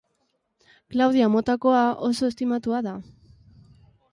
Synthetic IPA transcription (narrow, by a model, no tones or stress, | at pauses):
klawð̞iamo̞t̪ako̞ao̞so̞e̞st̪imat̪uaða